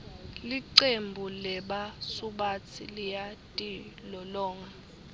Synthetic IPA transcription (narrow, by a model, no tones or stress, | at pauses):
liǀembʱulɛɓasuɓat͡sʰḭlijatʼilɔlɔːŋɔ